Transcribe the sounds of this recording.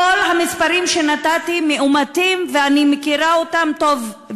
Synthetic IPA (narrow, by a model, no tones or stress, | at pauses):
olɦamispaʁimʃe̞natat̪imeʔumatimveanimekiʁaotamto̞v